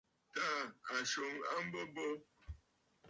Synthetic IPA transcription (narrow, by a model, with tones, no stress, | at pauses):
ta˦˨a˨ʃo˨˦ŋa˦m̩˦bə˦bə˦